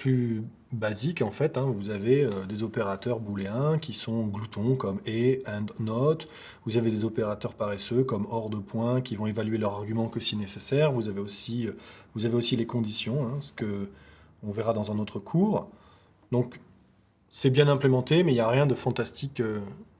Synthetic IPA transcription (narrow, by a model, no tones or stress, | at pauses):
ply | bazikɑ̃fɛt̪ɛ̃vuzaveød̪ezɔpeʁat̪œʁbuleɛ̃kʲisɔ̃ɡlut̪ɔ̃kɔmeɛ̃d̪nɔt̪ | vuzaved̪ezopeʁat̪œʁpaʁɛsøkɔmɔʁd̪əpwɛ̃kʲivɔ̃evalɥelœʁaʁɡʲymɑ̃kəsiɛnesesɛʁvuzaveosiøvuzaveosilekɔ̃d̪isjɔ̃ɛ̃sə̥kə | ɔ̃vɛʁad̪ɑ̃zɛ̃not̪χəkʰuːʁ | d̪ɔ̃k | sɛbjɛ̃nɛ̃plemɑ̃t̪emɛiljaʁjɛ̃d̪əfɑ̃t̪ast̪ʰikø